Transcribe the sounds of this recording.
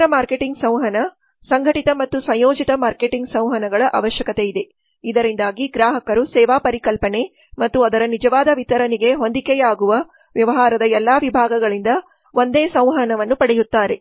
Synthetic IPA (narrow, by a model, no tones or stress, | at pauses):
ɾɐmaːɾke̞ʈiŋɡsɐ̃w̃ɦɐnɐ | sɐŋɡʱɐʈit̪ɐmɐt̪ːusɐjjoːd͡ʒit̪ɐmaːɾke̞ʈiŋɡsɐ̃w̃ɦɐnɐɡɐɭɐʔa̰ːʋɐʃjɐkɐt̪eid̪e̞ | id̪ɐɾind̪aːɡiɡɾaːɦɐkɐɾusɛːʋaːpɐɾikɐlpɐne̞ | mɐt̪ːuɐd̪ɐɾɐnid͡ʒɐʋaːd̪ɐʋit̪ɐɾɐniɡe̞ɦo̞nd̪ikɛjaːɡuʋɐ | ʋjɐʋɐɦaːɾɐd̪ɐɛlːaːʋibʱaːɡɐɡɐɭind̪ɐ | o̞nd̪eːsɐ̃w̃ɦɐnɐʋɐnːupɐɽɛjut̪ːaːɾe̞